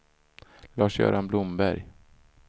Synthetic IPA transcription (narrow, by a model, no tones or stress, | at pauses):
lɑːʂjœ̰ːɾanblʊmbæɾj